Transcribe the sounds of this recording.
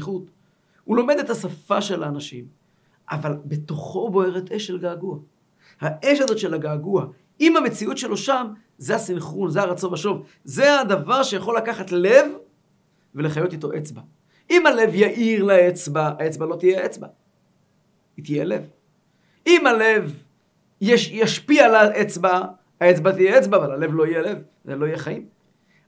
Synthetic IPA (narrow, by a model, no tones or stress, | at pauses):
χut̪ | ulo̞me̞d̪et̪hasafaʃe̞laːnaʃim | ʔavalbe̞t̪o̞χo̞bo̞e̞ʁet̪eʃelɡaːɡua | haʔeʃazo̞t̪ʃe̞laɡaːɡua | imhame̞t͡siut̪ʃe̞lo̞ʃam | zehasimχunzeaʁat͡so̞naʃo̞v | zead̪avaʁʃejaχo̞lakaχat̪le̞v | ve̞le̞χajo̞t̪it̪o̞ʔet͡sba | imale̞vjaʔiʁlaet͡sbaaet͡sbalo̞t̪ijeet͡sba̰ | it̪ijele̞v | imale̞v | jejaʃpialaʔet͡sbaː | et͡sbat̪ijeet͡sbaːvalale̞vlo̞ijele̞v | zelo̞ijeχajim